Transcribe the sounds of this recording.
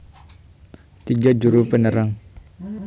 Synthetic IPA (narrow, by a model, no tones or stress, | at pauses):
t̪iɡad͡ʒuɾupənəɾaŋ